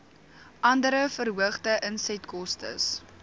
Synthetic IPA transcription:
ʔɐndəɾəfərɦuəχdəʔənsɛtkɔstə̰s

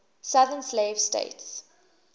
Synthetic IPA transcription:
saðənsleːv̥stḛɪts

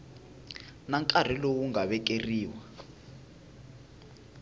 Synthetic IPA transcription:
naŋkʼar̤ilowuŋaɓɛk̬ʼeriːwa

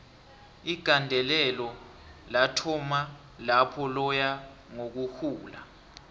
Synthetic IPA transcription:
iɡ̥ʱandʱɛlɛlɔ | latʰɔma | lapʰɔlɔja | ŋok̬uhuːla̰

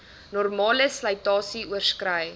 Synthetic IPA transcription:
nɔrmɑːləslɐjtɑːsiuərskrəj

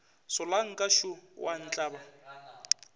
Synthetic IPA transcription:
sɔlaŋ̩kʼaʃuwʔan̩t͡ɬʼaːba

